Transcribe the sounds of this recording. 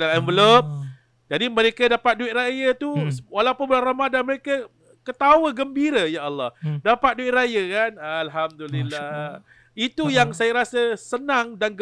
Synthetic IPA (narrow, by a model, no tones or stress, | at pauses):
alɛnvəlop̚ | d͡ʒadiməɾekadapat̪̚duɪt̪̚rajət̪uwalapʊnbəlaramadanməɾekə | kət̪awəɡəmbiɾəjaːlːɑhdapat̪̚duɪt̪̚rajəkanːlɦamdulilːa | it̪ujaŋsajaɾasəsənãŋdanɡ